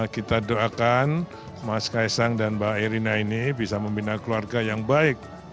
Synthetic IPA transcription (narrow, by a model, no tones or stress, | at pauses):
kit̪adoakan | maskaɛsaŋdanbaaiɾinainibisaməmbinakluarɡajaŋbaɪk̚